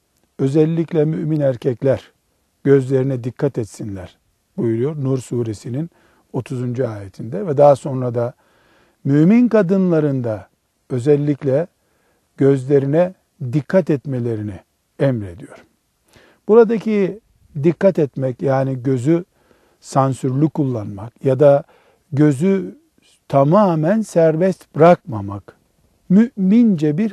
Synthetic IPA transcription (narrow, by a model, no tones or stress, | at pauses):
ø̞zɛlʲːiclʲɛmyʔminæɾcʰɛclʲæɾ̥ | ɟ̥ø̞zlʲe̞ɾinɛd̪ikʰːat̪ɛt̪sinlʲæɾ̥ | bujulˠujo̞ɾnuɾsuːɾesinin | o̞t̪ʰuzund͡ʒuaːjet̪ʰind̪ɛvɛd̪aːso̞nɾad̪a | myminkʰad̪ɯnlˠaɾɯnd̪a | ø̞zɛlʲːiclʲɛ | ɟø̞zlʲe̞ɾinɛ | d̪ikʰːat̪ɛt̪melʲe̞ɾini | ɛmɾe̞d̪ijo̞ɾ | b̥uɾad̪acʰi | d̪ikːat̪ɛt̪mɛcjaːniɟø̞zy | sansyɾlʲykulˠːanmakjad̪a | ɟø̞zy | t̪ʰamaːmænsæɾbɛst̪bɾakmamak | myʔmind͡ʒɛbiɾ